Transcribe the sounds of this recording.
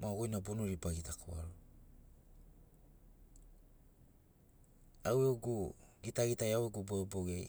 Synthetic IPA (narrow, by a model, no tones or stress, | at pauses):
maoɡojnabonuɾibaɡitakʰoa̰lo | aweoɡuɡitaɡitajaweɡuboboɡej